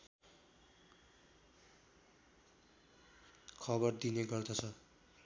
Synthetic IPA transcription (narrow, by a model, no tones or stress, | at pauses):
kʰʌbʌrd̪ineɡʌrd̪ʌt͡sʰʌ